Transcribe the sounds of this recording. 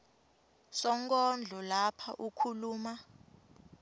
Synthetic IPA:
sɔŋkʼɔnd͡ɮʱɔlapʰaʔukʰuluːma

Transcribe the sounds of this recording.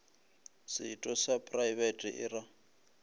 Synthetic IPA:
sɪtʼɔsapʼraibɛtʼḭʔɪra

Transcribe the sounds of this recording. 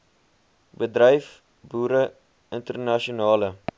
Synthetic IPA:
bədrəjf | buːɾə | əntərnɐʃiunɑːlə

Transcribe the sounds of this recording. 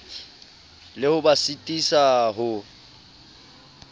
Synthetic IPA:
lɪhʊbasitʼisaɦʊ

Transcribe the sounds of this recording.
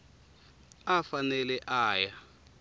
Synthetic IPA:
afanɛlɛʔaːja

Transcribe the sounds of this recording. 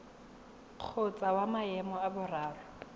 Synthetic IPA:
q͡χʰʊt͡sʼawamaɛmɔabʊraːrʊ

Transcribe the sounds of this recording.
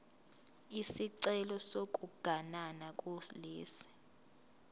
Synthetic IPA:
isiǀɛlɔsokʼuɡ̥ʱananakʼuleːsi̥

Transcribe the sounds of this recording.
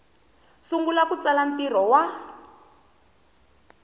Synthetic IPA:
suŋɡulakut͡salantir̤ɔwa

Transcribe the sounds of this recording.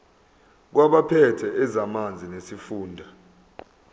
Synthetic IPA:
k̬waɓapʰɛtʰɛʔɛzamand͡zʱinesifuːndʱa

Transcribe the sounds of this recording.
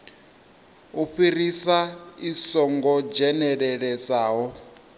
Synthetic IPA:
uɸirisaisɔŋɡɔd͡ʒɛnɛɺɛɺɛsaːɦɔ

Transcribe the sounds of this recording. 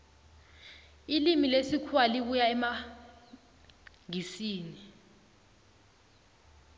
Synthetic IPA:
ilimilesikʰwaliɓ̬ujaɛma | ŋisiːni

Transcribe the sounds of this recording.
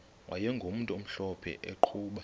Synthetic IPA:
wʔa̰jɛŋɡʱom̩ntʼuom̩ɬɔpʰɛ̰ʔeǃʰuːɓa

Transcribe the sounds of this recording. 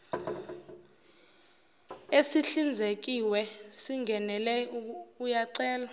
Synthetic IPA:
esiɬind͡zʱek̬iwɛsiŋɡʱɛnɛlɛujaǀɛːla

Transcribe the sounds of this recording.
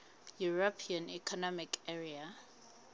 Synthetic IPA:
juɹɔpʰiãnḭkʰɔnɔmikʰɛɹia

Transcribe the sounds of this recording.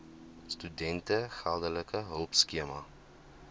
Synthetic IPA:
stydɛntəχalˠdələkəɦəlˠpskiəmɐ

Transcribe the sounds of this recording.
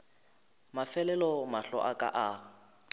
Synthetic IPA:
mafɛlɛlɔmaɬɔ̰ʔakʼa̰ʔa

